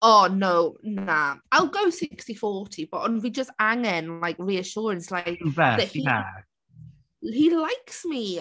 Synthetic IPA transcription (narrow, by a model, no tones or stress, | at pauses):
ɔnownaaɪlˠɡowsɪkstifɔɹtʰibəʔə̃nvid͡ʒəstaŋɛnlajkɹiəʃɔːɹə̃nslaɪkivɛðɛhiɛ̰ | hilajksmi